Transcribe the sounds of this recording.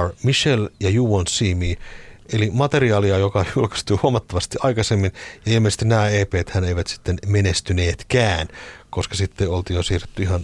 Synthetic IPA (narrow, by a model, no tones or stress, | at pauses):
rmiʃeljɑjuːʋonsiːmiːʔelimɑt̪e̞riɑːliɑjokɑjulkɑ̥st̪uːhuomɑt̪ːɑʋɑst̪iʔɑikɑsemːinjɑilmese̥st̪innæːeːpeːt̪hæneiʋæt̪si̥t̪ːenmenest̪yneːt̪kæːnkoskɑsit̪ːeolt̪iːjjosiːret̪ːyihɑn